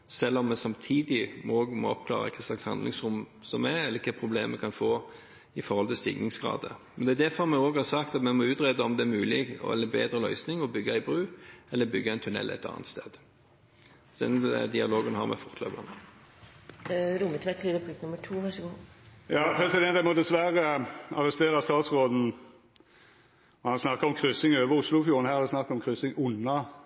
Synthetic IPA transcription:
sɛlːɔmːɛsɑmt̪ʰiːd̪ɪmoːɡmɔ̰ɔpkʰlɑ̰ːʁə̰kʰɛslɑkshɑnd̪lɪŋsɾʊm | sɔmɛɛlːəɾkʰɛpʰɾʊbleːmɛkʰɑnfoː | ɪfɔɾhɔlt̪ʰɪlst̪ḭːɡnɪŋsɡʁɑ̰ːd̪əmɛnd̪ɛːd̪æfɔʁmɛoːɡhɑʁsɑkt̪ɑt̪mɛmɔʉːt̪ʁed̪əɔmd̪ɛæɾmʉːlɪɡɔ̰ɛ̰lːəbeːd̪ɾəlœʏsnɪŋɔbʏɡːɑɪbɾʉːɛlːəbʏɡːəæɛɪnt̪ʰʉnɛ̰lɛ̰t̪ʰɑ̰ːnə̰t̪st̪ḛːd̪ | ɔd̪ɛ̰nd̪ɪɑloːɡənhɑ̰ʁmʔɛ̰fɔʁt̪ʰlø̰ːbɑ̰nə | ɾʊmət̪ʰʋɛklɪd̪əpʰɪt̪nʊmːəʈʰuːʋæʂəɡuːjɑːpʰɾɛsɪd̪ɛnt̪æmɔd̪ɛsʋæɾəɑʁɛst̪eːʁɑst̪ɑːt̪sʁoːd̪n̩ | ɔhɑnsnɑkːɑɔmkʰɾʏsɪŋøːʋəɾʊslʊfjuːɾən̩hæːhɑd̪ɛsnɑkːɔmkʰʁʏsɪŋʊnːɑ

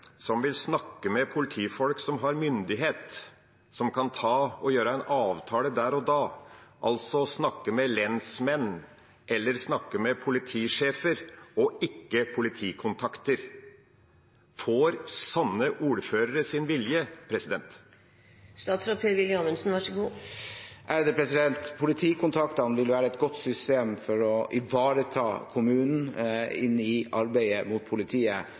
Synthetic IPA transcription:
sɔmʋɪlsnɑkːəmɛpʰʊlɪt̪ʰiːfɔlksɔmɦɑɾmʏnd̪ɪɦeːt̪ | sɔmkʰɑnt̪ʰɑːɔjøːɾəæɪnʔɑːʋt̪ʰɑːləd̪æːɾɔd̪ɑːʔɑ̰lt̪sɔsnɑkːəmɛlɛnsmɛnː | ʔɛlːəɾsnɑkːəmɛpʰʊlɪt̪ʰiːʂeːfəɾɔɪkːəpʰʊlɪt̪ʰiːkʰʊnt̪ʰɑkt̪əɾ | foːɾsɑnːəʔuːɾføːɾəɾəsɪnʋɪljəpʰɾɛsɪd̪ɛnt̪ | st̪ɑːt̪sɾɑpʰeɾʋɪlɑnəlsn̩ʋɑʂəɡuː | ʔæd̪əpʰɾɛsɪd̪ɛnt̪pʰʊlɪt̪ʰiːkʊnt̪ʰɑkt̪ɑnʋɪlʋæːɾəɛt̪̚ɡɔt̪sʏst̪eːmfɔɾɔʔɪʋɑːɾət̪ʰɑ̰ːkʰʊmʉːnn̩ɪnːɪʔɑɾbæɪəmʊt̪̚pʰʊlɪt̪ʰiːə

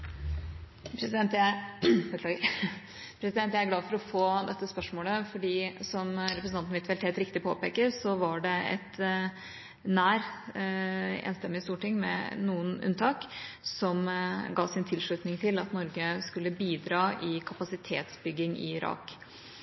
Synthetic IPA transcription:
pʰɾɛsɛnt̪æ | pʰɾɛsɪd̪ɛnjæɪæɾɡlɑːfɔɾɔfoːd̪ɛt̪ːəspœʂmoːləfɔɖiːsɔmɾɛpɾəsnɑnnʋɪt̪ʋɛlt̪ʰɛːlt̪ɾɪk̚t̪ɪpʰo̰ːpeːkəɾsɔʋɑɖɛɛ̰t̪ | næːɾ | ḛːnst̪ɛmːɪst̪uːʈɪŋmɛ̰nuːənʉ̰nt̪ʰɑːksɔmɡɑːsɪnt̪ʰɪlʂɭʉːt̪nɪŋt̪ʰɪlɑt̪nɔɾɡəskʉlːəbiːd̪ɾɑːʔɪkʰɑpɑsɪt̪ʰḛːt̪sbʏɡːɪŋɪ̰ɪɾɑ̰ːk

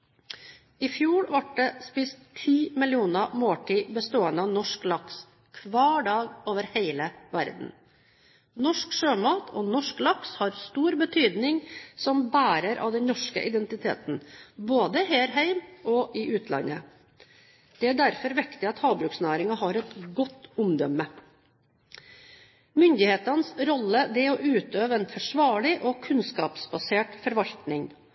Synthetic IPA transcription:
ɪfjuːɭʋɑʈ̚ɖɛspɪst̪ʰːiːmɪlɪuːnəmoːʈʰiːbəst̪oːənəɑʋnɔʂklɑks | kʰʋɑːɖɑːɡoːʋəɾheɪləʋæɾd̪n̩ | nɔʂkʂøːmɑːt̪ʰɔnɔʂklɑkshɑɾst̪uːɾbət̪ʰyːd̪nɪŋsɔmbæːɾəɾʔɑ̰ʋd̪ɛnnɔʂkə̰ʔɪd̪ɛnt̪ɪt̪ʰḛːt̪n̩boːd̪əɦeːɾɦæɪmʔɔʔɪʔʉːt̪ʰlɑ̰nːə | d̪̥ɛæɖæɾfɔɾʋɛkt̪ɪɑt̪hɑːbɾʉːksnæːɾɪŋɑɦɑɾɛt̪ɡɔt̪ːʊmd̪œmːə | mʏnd̪ɪheːt̪ɑnsɾɔlːəd̪ɛɔʔʉːt̪øːʋəɛːnfɔʂʋɑːɭɪʔɔkʰʉnskɑːpsbɑseːʈfɔɾʋɑlt̪nɪŋ

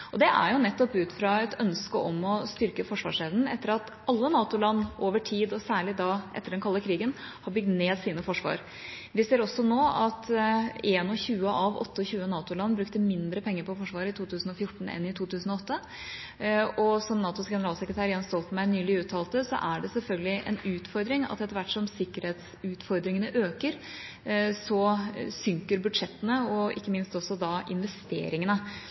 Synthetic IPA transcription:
ʔɔd̪ɛʔæ̰ɾjʊnɛt̪ːɔpʉːt̪fɾɑɛt̪œnskəʔɔmɔst̪ʏɾkəfɔʂʋɑ̰ːʂeːʋnn̩ɛt̪ːəɾɑt̪ | ɑlːənɑːt̪ʊlɑnːʔoːʋəʈʰiːd̪ɔsæːɭɪd̪ɑːʔɛ̰t̪ːəɖɛnkʰɑlːəkʰɾiːɡən | hɑbʏɡ̚d̪neːd̪siːnəfɔʂʋɑ̰ːɾ | ʋɪseːɾɔsɔnoːɑt̪eːnɔçʉːəʔɑʋɔ̰t̪ːəɔçʉːənɑːt̪ʊlɑnːbɾʉkt̪əmɪnd̪ɾəpʰɛŋːəɾpɔfɔʂʋɑːɾəɪt̪ʰuːt̪ʰʉːsn̩ɔfjʊʈːɳ̩ɛ̰nːɪt̪ʰuːt̪ʰʉːsn̩ɔɔt̪ʰːə | ɔsɔmnɑːt̪ʊsɡɛnəɾɑːlsɛkɾət̪ʰæːɾjɑnst̪ɔlt̪mæɪnyːlɪʉːt̪ʰːɑːlt̪əsɔ̰ʔæɖɛsɛlfœlɡəlɪʔɛ̰nʉːt̪fɔɾd̪ɾɪŋɑ̰t̪ːɛt̪ːəɾʋæʈːʂɔmsɪkːəɾheːt̪s | ʉːt̪fɔɾd̪ɾɪŋənəʔøːkəɾ | sɔsʏŋkəɾbʉd̪ʂɛt̪ːənəɔʔɪ̰kːəmɪnst̪ɔsːɔd̪ɑʔɪnʋɛst̪ḛːɾɪŋənə

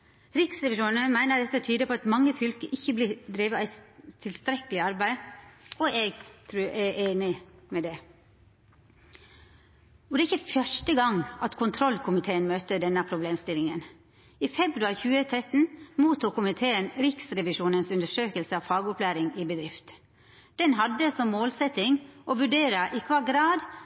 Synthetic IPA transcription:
ɾɪksɾɛʋɪʃuːnəmæɪnəd̪ɛt̪ːət̪ʰyːd̪əpʰɔɑt̪mɑŋːəfʏlkə̰ʔɪçːəblɪd̪ɾiːʋəæɪt̪ʰɪlst̪ɾɛkəlɪɑɾbæɪɔʔɛɡt̪ʰɾʉːæʔeːnɪmɛd̪ɛ | ɔd̪ɛæɪçːəfjœʂʈəɡɑŋʔɑt̪kʰʊnt̪ʰɾɔlkʰʊmɪt̪ʰeːənmøːt̪əd̪ɛnːəpʰɾʊbleːmst̪ɪlːɪŋən | iːfɛbɾʉɑɾçʉːət̪ʰɾɛt̪ːn̩muːt̪uːkʊmɪt̪ʰeːənɾɪksɾɛʋɪʃuːnənsʉnd̪əʂøːkəlsəɑʋfɑːɡʊpʰlæːɾɪŋɪbəd̪ɾɪft̪ | d̪̥ɛnɦɑd̪ːəsɔmmoːlsɛt̪ɪŋʔɔʋʉɖeːɾɑʔɪkʰʋɑːɡɾɑːd̪

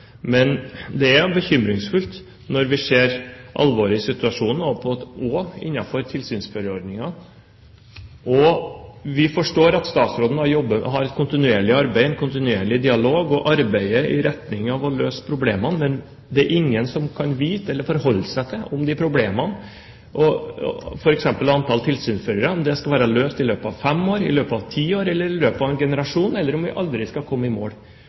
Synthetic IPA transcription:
mɛnd̪ɛæɾbəçʏmɾɪŋsfʉlt̪ | nɔɾʋɪseːɾʔɑ̰lʋoːɾɪsɪt̪ʉɑʂuːnn̩ɔpʰɔɔɪ̰nːɑfɔɾt̪ʰɪlsyːnsføɾəɔɾd̪nɪŋɑ | ʔɔ | ʋɪfɔʂʈoːɾɑt̪st̪ɑːt̪sɾoːd̪n̩ɑɾjɔbːəɦɑɾɛt̪̚kʰʊnt̪ɪnʉeːɭɪɑɾbæɪɛnkʊnt̪ɪnʉeːɭɪd̪ɪɑloːɡɔʔɑɾbæɪəɪɾɛt̪nɪŋɑʋɔløːsə̥pʰɾʊbleːmənmɛn | d̪ɛæɾʔɪŋːənsɔmkʰɑnʋiːt̪əɛlːəɾfɔɾhɔlːsæɪt̪ʰɪlʔʊmd̪ɪpʰɾʊbleːmən | ʔɔ̰ | fɔɾɛksɛmpəlɑnt̪ʰɑlt̪ʰɪlsyːnsføɾəɾəʊmd̪ɛskɑʋæːɾəløːst̪ɪløːpɑʋfɛmːoːɾɪ̰løːpɑʋt̪ʰiːoːɾɛlːəɾɪløːpɑʋɛnɡɛnəɾɑʂuːnɛlːəɾɔmʋɪ̰ʔɑld̪ɾɪskɑkʰɔmːɪmo̰ː

